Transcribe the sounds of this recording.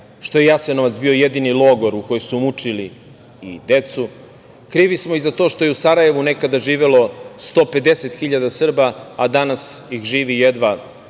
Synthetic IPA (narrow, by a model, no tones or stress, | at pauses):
ʃt̪o̞jejasenoʋat̪sbio̞jed̪inilˠoːɡo̞ɾuko̞josumut͡ʂiliː | d̪e̞t̪su | kɾiːʋismoizat̪o̞ːʃt̪o̞jeusaɾaje̞ʋune̞kad̪aʒiːʋelo̞st̪o̞ːpe̞d̪e̞set̪xiʎad̪asr̩baːd̪anasjixʒiːʋijed̪ʋa